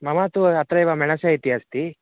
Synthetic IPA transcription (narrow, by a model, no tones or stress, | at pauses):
mɐmaːt̪uɐt̪ɾɐjʋamɛɳɐsait̪iɐst̪i